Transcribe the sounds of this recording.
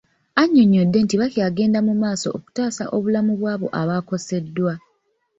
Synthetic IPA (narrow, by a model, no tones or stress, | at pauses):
aɲːoɲːo̞dːe̞ntiβakjaːɡe̞ːndamumaːso̞ʔːku̥taːsa̰ʔo̞βulamuβwaːβo̞̰ʔaβaːko̞se̞dːwa